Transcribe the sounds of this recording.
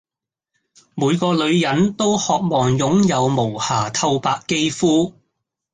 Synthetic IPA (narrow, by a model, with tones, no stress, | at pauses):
muː˨˧jkɔː˧lɵ˨˧ɥjɐ˨˧nt̪o˥whɔː˨k̚mɔː˨˩ŋjʊ˨˥ŋjɐ˨˧wmo˨˩whaː˨˩t̪ʰɐ˧wpaː˧kːe˥jfuː˥